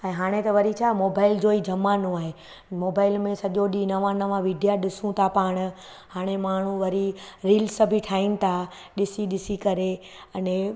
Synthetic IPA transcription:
ɛ̃ːɦaːɽ̃et̪ɐʋɐɾit͡ɕʰaːmoːbaːɪld͡ʑoːid͡ʑɐmanõaːɦe | moːbaːɪlmẽsɐʄoɗinɐʋãnɐʋãʋɪɖijaɗɪsũt̪ʰapaːɽ̃̆ | haːɽ̃emaːɳ̤ũʋɐɾiɾiːlsəbʱiʈʰaːinɪ̆t̪ʰa | ɗɪsiɗɪsikɐɾe | ɐnẽ

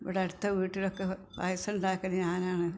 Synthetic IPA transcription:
iʋiɽeɐɽut̪ːɐʋiːʈːilokːeʋa̰ːjɐsɐɳɖaːkːɐnɨɲaːnaːɳɨ

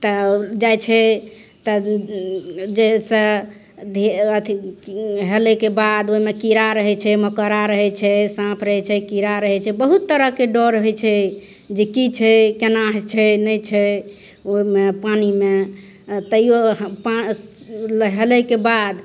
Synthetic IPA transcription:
t̪ɔd͡ʒajt͡ʃʰɛ | t̪ɔ | d͡ʒesə | d̪ʱeət̪ʰiɦelɛkebad̪oimekiɾaɾəɦɛt͡ʃʰɛməkəɾaɾəɦɛt͡ʃʰɛsãpʰɾəɦɛt͡ʃʰɛkiɾaɾəɦɛt͡ʃʰɛbəɦut̪ːəɾəɦkeɖɔɾəɦɛt͡ʃʰɛ | d͡ʒekit͡ʃʰɛkenaɦt͡ʃʰɛnəjt͡ʃʰɛ | omepanime | t̪əijoɦpa | ləɦelɛkebad̪

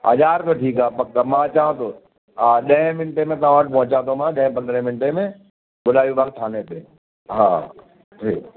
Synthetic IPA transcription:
ə̰d͡ʒaːɾkoʈʰiːkaːpɐk̚t̪amãt͡ʃaːɦə̃t̪o | aːɗɐɦɪ̃mɪnʈemẽt̪ɐãʋəʈ̚ʰpɔ̃ɦʊ̃t͡ɕãt̪ʰomãɗɐ̃ɦɪ̃pɐ̃nd̪ɾẽmɪnʈemẽ | ɓʊlaːjũbʱak̚t̪ʰaːnet̪eː | ɦã̰ː | ʈʰiːk

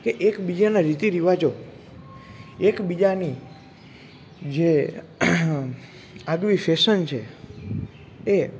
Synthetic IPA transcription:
keʔekbid͡ʒanaɾit̪iɾiʋad͡ʒo | ekbid͡ʒani | d͡ʒe | aɡʋifeʃənt͡ʃʰe | e

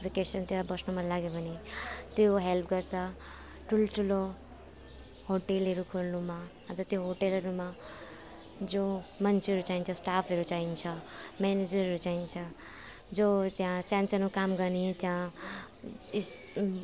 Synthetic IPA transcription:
bʱikesʌnt̪jãbʌsnumalaɡepʌnit̪joɦelpʰɡʌɾt͡sʰʌ | ʈʰuloʈʰulo | hoʈelɦʌɾukʰoɾnumaɦʌt̪ʌt̪joɦoʈelʌɾuma | d͡zomʌnt͡sʰiʌɾut͡saint͡sʰʌsʈapʰɦʌɾut͡saint͡sʰʌmened͡zʌɾɦʌɾut͡saint͡sʰʌ | d͡zot̪jãsansʌnukamɡʌɾnit̪jã

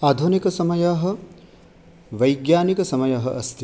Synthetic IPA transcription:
aːd̪ʱunikɐsɐmɐjaɦɐ̆ | ʋɐjɡjaːnikɐsɐmɐjɐɦɐ̰ʔɐst̪ʰi

